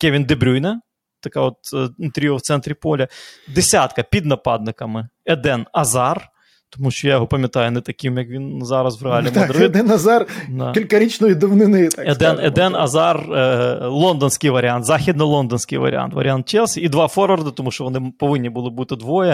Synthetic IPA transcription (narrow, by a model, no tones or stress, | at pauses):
kʲɛʋʲind̪ɪbɾʲujnɐ | t̪ɐkaɔt̪nt̪ɾʲijoft̪sɛnt̪ɾʲɪpɔlʲɐd̪ɪsʲat̪kɐpʲid̪nɐpɑd̪nɪkɐmɪɛd̪ɛnɐzɑr | t̪ɔmuʃt͡ʃɔjajɔɦɔpɐmʲjɐt̪ajʊnɛt̪ɐkʲimjɐkʋʲinzɑɾɐsʋɾaldʲɪmɔɾɛd̪ɛnɐzard̪akɪlʲkɐɾʲit͡ʃnɔʋʲɪd̪ɐʋnɪnɪt̪akɛd̪ɛnɛd̪ɛnɐ̰zɑr | lˠond̪ɔnsʲkɪjʋɐɾʲɪant̪zaxʲid̪nɪjlˠond̪ɔnsʲkɪjʋɐ̰ɾʲɪ̰a̰nt̪ʋɐ̰ɾʲɪant̪t͡ʃɛlˠsʲɐid̪ʋɑfɔrʋɐrd̪ɐt̪ɔmuʃt͡ʃɔʋɔnɪpɔʋɪnʲːibɨlˠɪbut̪ɪd̪ʋɔjɐ